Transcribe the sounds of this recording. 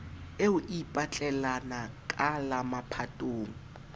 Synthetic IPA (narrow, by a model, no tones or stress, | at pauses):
eʊʔipʼat͡ɬʼɛlanakʼalamapʰatʼoːŋ̩